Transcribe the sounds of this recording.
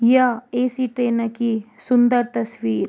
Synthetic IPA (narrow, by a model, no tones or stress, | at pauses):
jɐeːsiʈɾeːnɐkisund̪ɐɾt̪ɐsʋiːɾ